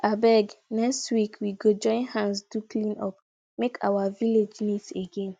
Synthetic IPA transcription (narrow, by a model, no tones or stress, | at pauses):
abɛɡnɛkstwikʰwiɡod͡ʒɔ̃ɪ̃nhãnsduklĩnɔ̰p | mekʰa̰waviled͡ʒniteɡẽn